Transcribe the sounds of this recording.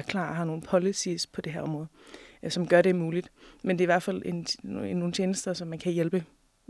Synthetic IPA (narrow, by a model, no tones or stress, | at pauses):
kʰlɑ̰̈ːɦɑ̈no̝ːn̩pʰɒlisispʰɒ̽d̥e̝ɦæɐɒ̽mʁɔ̽ːð̩ˠsɒ̽mɡ̥ɶɐɾe̝muːlid̥mend̥e̝iʋæɐ̥fæl̰ennːo̝ːn̩t͡sʰjeːnəsd̥ɐsɒ̽mːænkʰæjelb̥ə